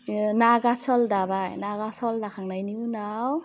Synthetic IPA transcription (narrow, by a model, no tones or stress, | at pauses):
naɡasɔldabajnaɡasɔldakʰaŋnajniunaw